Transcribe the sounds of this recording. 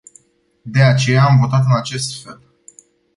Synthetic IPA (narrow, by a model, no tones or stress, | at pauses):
d̪e̞at͡ʃe̞jaːmvo̞t̪at̪ɨnat͡ʃe̞st̪fe̞l